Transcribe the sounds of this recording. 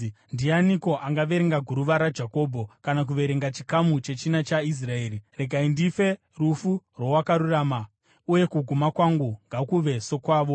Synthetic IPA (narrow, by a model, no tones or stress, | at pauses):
ndianiko̞ʔaŋɡaʋe̞ɾeŋɡaɡʱuɾuʋaɾad͡ʒako̞ːbʱo̞kanak̬uʋe̞ɾe̞ŋɡat͡ʃi̥kamut͡ʃe̞t͡ʃinat͡ʃais̬rae̞ːrire̞ɡʱaindife̞ | rufurwowakaɾuraːma | uje̞kuɡʱumakwaŋɡuŋɡakuʋe̞so̞kwaːʋo̞